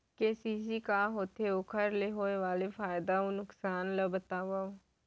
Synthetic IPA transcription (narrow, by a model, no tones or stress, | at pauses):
kesiːsiːkaːɦoːt̪ʰeːokʰəɾleːɦoːeʋaːleːpʰaːjd̪aːoːnʊksaːnləbət̪aːʋao